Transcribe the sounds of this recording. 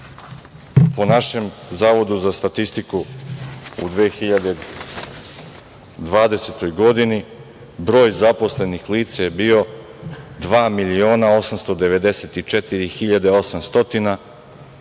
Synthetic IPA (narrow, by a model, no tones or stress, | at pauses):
po̞naʃe̞mzaːʋo̞d̪uzast̪at̪ist̪iku | ṵd̪ʋeːxiʎad̪e | d̪ʋaːd̪e̞set̪o̞jɡo̞d̪ini | bɾo̞ːjzapo̞sle̞nixliːt̪sajebiːo̞ | d̪ʋaːmilio̞ːnao̞samst̪o̞d̪e̞ʋe̞d̪e̞set̪it͡ʃet̪iɾixiʎad̪e̞o̞samst̪o̞t̪ina